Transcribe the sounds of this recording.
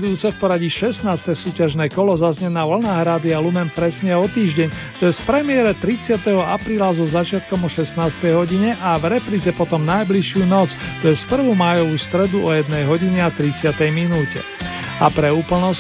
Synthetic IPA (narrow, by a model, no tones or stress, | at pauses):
d̪uuːt͡sɛfpɔɾaɟiʃɛsnaːst̪ɛsuːcaʒnɛːkɔlɔzazɲɛnaːʋl̩naːɦɾaːd̪ialumɛnpɾɛsɲɛɔt̪iːʒɟɛɲ | t̪ɔjɛspɾɛmɪɛɾɛt̪ɾit͡sɪat̪ɛɦɔapɾiːlazɔzat͡ʃɪat̪kɔmɔʃɛsnaːst̪ɛjɦɔɟiɲɛʔavɾɛpɾiːzɛpɔt̪ɔmnajbliʃjuːnɔt͡st̪ɔjɛspr̩ʋɔmajɔʋuːst̪ɾɛd̪uɔjɛd̪nɛjɦɔɟiɲɛat̪ɾit͡sɪat̪ɛjminuːcɛ̰ | apɾɛuːpl̩nɔ